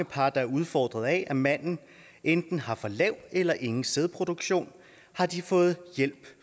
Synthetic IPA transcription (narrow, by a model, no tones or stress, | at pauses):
əpʰɑ̈ːd̥ɑ̈æɐuðˠfɒ̰ːd̥ʁɐð̞̩ˠɛʔæmæn̰n̩ | end̥n̩hɑ̈fɒ̽lɛʊ̰d̥elɐʔe̝ŋn̩seð̞ˠpʰʁo̝d̥oɡ̥ɕo̝̰ːn | hɑ̈d̥ifɔ̽ːð̞̩ˠjel̰b̥